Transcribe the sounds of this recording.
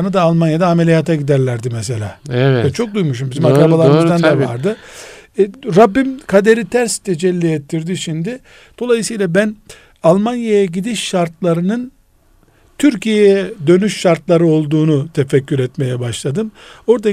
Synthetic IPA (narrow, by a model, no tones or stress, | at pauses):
nɯd̪aːlˠmanjad̪aːmelʲijat̪ʰaɟid̪æɾlʲæɾd̪imɛse̞lʲa̰ːɛt͡ʃʰo̞k̚d̪ujmuʃ̬umbizimakɾaɯbalˠaɾɯmɯzd̪and̪avaɾd̪ɯ | ɾabːimkʰad̪e̞ɾit̪ʰæɾst̪ʰed͡ʒɛlʲːiɛt̪ʰːiɾd̪iʃimd̪ɪ | d̪̥o̞lˠajɯsɯjlˠabæn | alˠmanjajaɟid̪iʃːaɾt̪lˠaɾɯnɯn | t̪ʰyɾcijejɛd̪ø̞nyʃʃaɾt̪lˠaɾɯo̞lˠd̪uːnut̪ʰefɛcʰːyɾɛt̪me̞jɛbaʃlˠad̪ɯmo̞ɾd̪a